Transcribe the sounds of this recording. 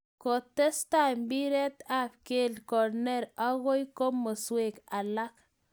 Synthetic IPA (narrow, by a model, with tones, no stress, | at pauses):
ko˨t̪e˦st̪a˦jmbi˦ɾe˦t̪a˦b̚ke˦lko˨ɾne˦ɾa˦ɡo˦jko˦mːo˨swe˦ka˨la˦k